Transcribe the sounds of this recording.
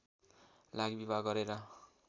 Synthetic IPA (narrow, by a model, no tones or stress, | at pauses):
laɡibibʱaɡɡʌɾeɾʌ